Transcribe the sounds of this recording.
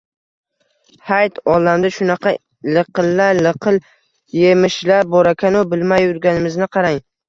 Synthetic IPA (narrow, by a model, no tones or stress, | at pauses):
hajt̪ɒlːamd̪aʃʊnɑqʰɑ | lɨqɨlːaɾlɨqʰɨl | jemɪʃlaɾbɒɾakʲʰanʊbɪlmajʊɾɡʲanɪmɪznɪqʰɑɾaŋ